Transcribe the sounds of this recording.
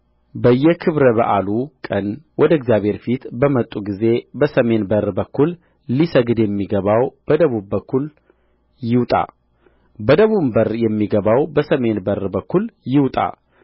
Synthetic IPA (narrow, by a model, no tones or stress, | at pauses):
bəjːɛkʰɨβɾəβəʔalukʼənwɔd̪əɨɡzjaβʱhe̞ɾfit̪bəmət̪ʼːuɡize̞bəsəme̞nbərbəkːulː | isəɡɨd̪jɛmːiɡəβawb̥əd̪əβubːəkʰːul | jɪwt̪ʼa̰ | bəd̪əβumbəɾjɛmːiɡəβawbəsəme̞nbəɾbəkːuljɪwt̪ʼa̰